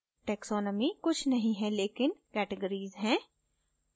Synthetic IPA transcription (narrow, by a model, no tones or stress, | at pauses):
ʈɛːksɔːnəmikʊt͡ʃʰnɐɦĩɦɛleːkɪnkɛːʈəɡəɾiːzɦɛ̃ː